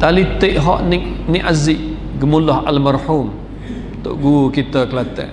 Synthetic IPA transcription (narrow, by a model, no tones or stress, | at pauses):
t̪alit̪eʔɦɔʔnɪniʔazɪʔ | ɡəmulɔɦa̰lmarħum | t̪o̰ʔɡukit̪əkəlat̪ɛ̰ʔ